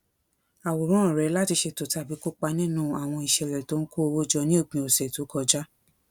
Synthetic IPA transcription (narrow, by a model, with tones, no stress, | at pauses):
a˨wo˨ɾ̃ɔ̃˦˨ɾɛ˨˦la˦ti˧ʃe˧to˨ta˧˦bi˨˦ko˦k͡pa˧˦nĩ˦nũ˦a˨w̃ɔ̃˧i˨ʃɛ˨ɾɛ˨to˨˦n̩˦ko˦˧wo˦d͡ʒɔ˧nĩ˦o˦˨k͡pĩ˧˨o˨sɛ˨to˨˦kɔ˧d͡ʒa˦